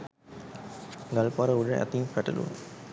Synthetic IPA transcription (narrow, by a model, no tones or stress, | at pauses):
ɡalpaɾəuɖəʔæ̰t̪iŋfæʈəlṵn